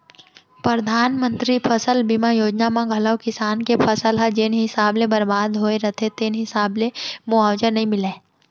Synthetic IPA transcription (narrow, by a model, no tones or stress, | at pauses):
pɾəd̪ʱaːnmə̃nt̪ɾipʰɐsəlbimajoːd͡ʒnamãɡʱɐləwkɪsaːnkepʰəsəlɦɐd͡ʒenɦɪsaːblebɐɾbaːd̪ɦoeɾɐt̪ʰet̪eːnɦɪsaːblemuaːʋd͡ʒənɐɦĩmɪleː